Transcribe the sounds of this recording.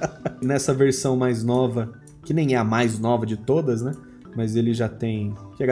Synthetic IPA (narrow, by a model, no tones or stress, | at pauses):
nɛsɐveɾsɐ̃w̃majznɔvɐ | kɪnẽj̃ɛɐmajznɔvɐd͡ʒɪt̪od̪ɐznɛ | mɐzelɪʒat̪ẽj̃kɛɡ